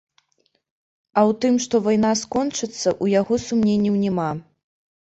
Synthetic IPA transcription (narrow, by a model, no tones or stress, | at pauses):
ɐwt̪ɨmʂt̪ɔvajnaskɔnt͡ʂɨt̪sːɐʔujaɣɔsumnʲenʲːiwnʲɛma